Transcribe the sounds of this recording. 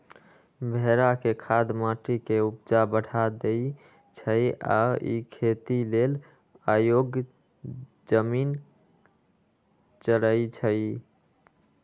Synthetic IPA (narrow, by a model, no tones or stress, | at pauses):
bʱeɾakekʰad̪maʈikeupd͡ʒabəɽ̤ʱad̪e | t͡ʃʰəja̰ḭkʰet̪ilel | ajoɡ | d͡ʒəmin | t͡ʃələjt͡ʃʰəj